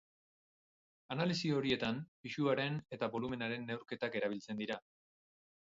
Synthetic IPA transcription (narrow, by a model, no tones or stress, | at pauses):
analisio̞ɾie̞t̪ampiʃuaɾe̞ne̞t̪aβo̞lume̞naɾe̞nːe̞wɾke̞t̪ake̞ɾaβ̞ilt͡se̞nd̪iɾa